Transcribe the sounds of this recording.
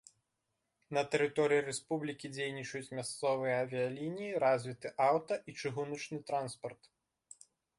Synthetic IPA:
nɐt̪ɛɾɨt̪ɔɾɨjirɛspublʲikʲid͡zʲejnʲit͡ʂɐjut͡sʲmʲast̪sɔvɨjɛːvʲijɐlʲinʲijiɾazʲvʲit̪ɨʔawt̪ɐʔit͡ʂɨɣunɐt͡ʂnɨt̪ɾanspɐrt̪

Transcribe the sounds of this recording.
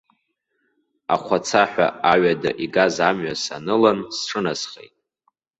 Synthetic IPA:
a̰χʷʰat͡sʰaħᶣʷa̰aɥadaʔiɡazamɥasa̰nɨlansʈ͡ʂʰɨnasχḛjtʼ

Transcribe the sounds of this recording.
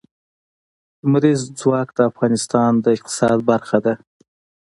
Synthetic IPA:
mɾizd͡zwɑk̚d̪əafɣɑnɪst̪ɑnd̪əɪq̚t̪ɪ̥sɑd̪̚baɾxad̪a

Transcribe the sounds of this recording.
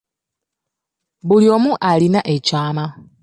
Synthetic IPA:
βuljoːmuʔalinaʔecaːma

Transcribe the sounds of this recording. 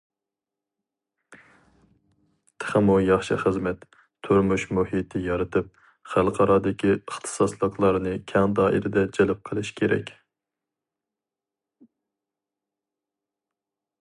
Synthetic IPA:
t̪ʰə̥χəmujɑχʃɨ̰χəzmɛt̪ | t̪ʰuɾmuʃmuhit̪ʰɪjɑɾɨt̪ʰɨp̚ | χælˠqʰɑɾɑːd̪ɪkʲʰiəχt̪ʰɨ̥sɑslˠəqlˠɑɾnɨkʲʰɛŋd̪ɑːʔḭɾɪd̪ɛd͡ʒɛlɪp̚qʰəlˠɨʃkʲʰeɾɛ̰kʲ

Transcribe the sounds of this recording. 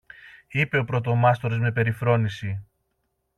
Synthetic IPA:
ipe̞o̞pɾo̞t̪o̞mɐst̪o̞ɾo̞zme̞pe̞ɾifɾo̞nisi

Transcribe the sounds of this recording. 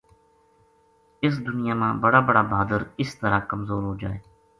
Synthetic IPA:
ɪs̬d̪ʊnɪjaːmãːbəɽaːbəɽaːbʱaːd̪əɾɪst̪əɾaːkəmzoːɾɦoːd͡ʒa̰ːeː

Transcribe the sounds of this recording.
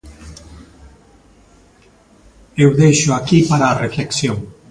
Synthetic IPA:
ewðejʃʊakipaɾaːrefleksjoŋ

